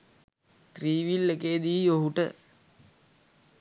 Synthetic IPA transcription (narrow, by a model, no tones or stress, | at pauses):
t̪riːʋilːekeːd̪iːjoɦuʈə̰